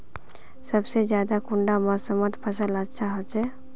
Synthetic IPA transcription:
səbsed͡ʒjaːd̪akʊ̃ɳɖaməsəmət̪pʰəsələtːʃʰaɦot͡ʃɛ

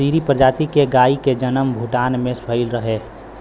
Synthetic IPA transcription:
iːɾipɾəd͡ʒaːt̪ikeɡaːiked͡ʒənəmbʱuʈaːnmẽsəɪlɾəɦe

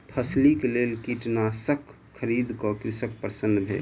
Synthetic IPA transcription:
pʰəslikelelkiʈnasəkʰː | əɾid̪kɔkɾɪsəkpəɾsənːbʱḛl

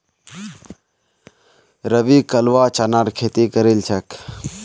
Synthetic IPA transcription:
ɾəbikəlʋaːt͡ʃanaɾkʰeːt̪ikəɾelt͡ʃʰək

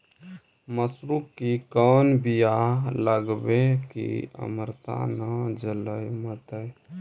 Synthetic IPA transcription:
məsɾukːikɔːnbijaləɡbekḭə̰məɾt̪a̰nəd͡ʒələjmət̪əj

